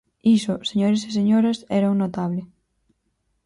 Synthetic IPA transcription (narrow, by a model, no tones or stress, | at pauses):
isʊseɲoɾeses̬eɲoɾɐsɛɾawnot̪aβlɪ